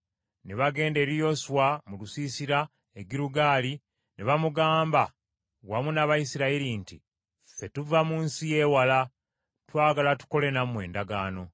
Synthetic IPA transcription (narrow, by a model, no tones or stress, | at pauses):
neβaɡe̞ːnde̞ɾijo̞swamulusiːsiɾa | eɡiɾuɡaːli | neβamuɡaːmba | wamunaβajisiɾaiɾintḭ | fe̞tuvamuːnsije̞ːwala | twaːɡalatu̥ko̞le̞namwe̞ːndaɡaːno̞